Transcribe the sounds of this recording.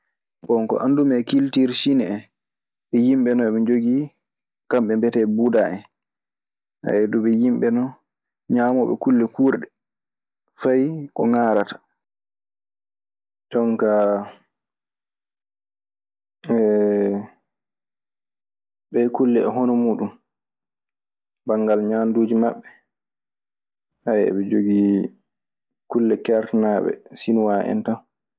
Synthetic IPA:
kɔŋkɔ̰ʔa̰ndumɛkiltiɾsinɛɛ | ɛjimɓɛnɔɛɓɛd͡ʒoɡi | kamɓɛmbɛtɛbudaʔɛ | a̰ɛduɓɛjimɓɛnɔ | ɲaːmɔɓɛ̰kulːɛkuːɾɗɛ | fajkɔŋaːɾatḁ | tɔŋka | ɛ | ɓɛkulːɛɛɦonɔmuːɗum | baŋɡalɲaːnduːd͡ʒimaɓːɛ | hajɛ̰ɓɛd͡ʒoɡi | kulːɛkɛɾtnaɓɛ̰sinuwaɛ̰ntan

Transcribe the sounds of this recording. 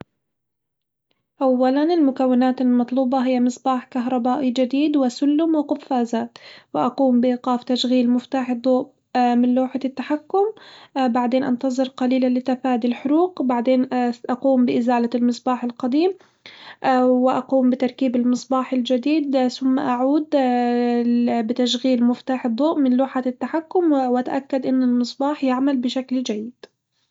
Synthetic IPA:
ʔawːalanɪlmʊkawːɪnaːt̪ɪlmɑt̪ˤluːbɑɦɪjːamɨsˤbɑːħkaɦɾˤɑbaːʔid͡ʒad̪iːd̪wɪsʊlːʊmwɪqʊfːaːzaːt̪wɪʔɑquːmbɪʔiːqɑːft̪aʃɣiːlmʊft̪aːħd̪ˤoːb | mɪnloːħat̪ːaħakːʊmbaʕd̪eːnʔɑ̰nt̪ɑzˤɨɾˤqɑliːlalɪt̪afaːd̪ilħʊɾuːqbaʕd̪eːnʔaquːmbɪʔɪzaːlalmɨsˤbɑːħɪlqɑd̪iːm | wɪʔaquːmbɪt̪ɑɾˤkiːbɪlmɨsˤbɑːħɪld͡ʒad̪iːd̪sʊmːaʔaʕuːd̪ | bɪt̪aʃɣiːlmɪft̪aːħɨd̪ˤːuːʔmɪnluːħat̪ːaħakːʊmwʔat̪aʔakːad̪ʔɪnːɪlmɨsˤbɑːħjɪʕmalbɪʃakld͡ʒajːɪd̪̥

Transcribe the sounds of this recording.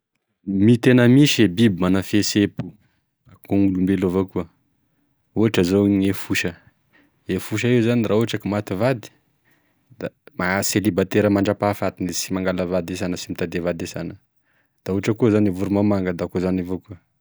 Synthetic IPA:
mit̪enəmiʃebibimanafesepu̥ | akuŋɡulumbelovakuə | uaʈ͡ʂəzoɲefuʃə | efuʃ̬əewzanirauaʈ͡ʂakimat̪ivad̪i̥ | d̪̥amaselibat̪eɾəmaɳɖ͡ʐapafat̪inisimaŋɡaləvad̪es̬anəsimit̪ad̪evad̪esanə | d̪̥auaʈ͡ʂəkuzanevuɾumamaŋɡad̪akuzanavokuə

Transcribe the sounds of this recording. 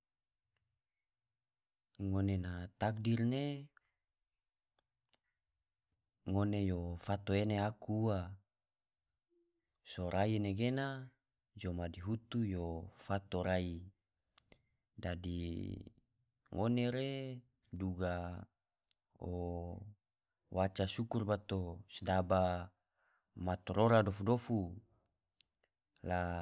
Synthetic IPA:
ŋonenat̪ak̚dirne | ŋonejofat̪oeneakua | soɾʔaineɡena | d͡ʒomadiɦut̪ujofat̪oɾai | dadi | ŋoneɾe | duɡa | o | wat͡ʃasukurbat̪osdaba | mat̪oɾoɾadofudofu | la

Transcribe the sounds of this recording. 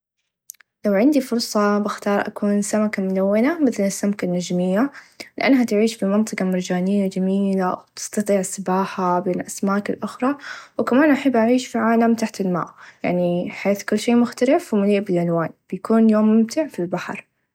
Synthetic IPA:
lawʕɪnd̪ifʊɾsˤɑbɪxt̪ɑːɾˤʔa̰kuːnsamakamʊlawːɪnamɪθlɪsːamkanːad͡ʒmɪjːalɪʔa̰nːɦat̪ʕiːʃfimɑnt̪ˤɨqɑmaɾd͡ʒaːnɪjːad͡ʒamiːlawt̪ɪ̥st̪ɑt̪ˤiːʕsɪbaːħabeːnʔasmaːkɪlʔʊxɾˤɑwkamaːnʔaħabːʔaʕiːʃfiʕaːlamt̪aħt̪ɪlma̰ːʔja̰ʕniħeːθkʊlːʃeːmʊxt̪alɪfwmʊliːʔbɪlʕalwaːnb̥jakuːnjoːmːʊmt̪ʰaʕfilbaħɾˤ

